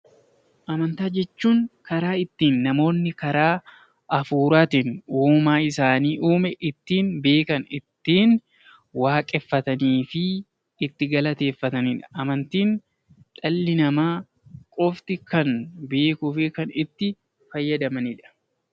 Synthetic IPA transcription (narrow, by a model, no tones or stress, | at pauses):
ʔɐmɐnt̪aːd͡ʒɛt͡ʃːuːŋkɐɾaːɪt̪ːiːnːɐmo̞ːnːɪkɐɾaː | ʔɐfuːɾaːt̪ɪnuːmaːɪsaːniːʔuːmɛʔɪt̪ːiːnbe̞ːkɐnɪt̪ːiːn | waːkʼɛfːɐt̪ɐniːfɪː | t̪ːɪɡɐlɐt̪e̞ːfːɐt̪ɐnɪᶑɐ̥ʔɐmɐnt̪iːn | ᶑɐlːɪnɐmaː | kʼɔft̪ɪkɐnbe̞ːkʊfɪkɐnɪt̪ːɪ | fɐjːɐd̪ɐmɐnɪᶑɐ̥